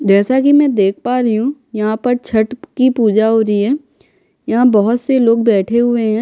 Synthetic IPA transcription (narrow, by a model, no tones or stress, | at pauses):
d͡ʒɛːsak̬imɛ̃ːd̪eːk̚ʰpaːɾɐɦũjɐɦãpɐɾt͡ʃʰɐʈkipuːd͡ʒaɦoːɾiɦɛː | jɐɦãbɐɦʊt̪seloːɡ̚bɛːʈʰeɦʊeɦɛ̃ː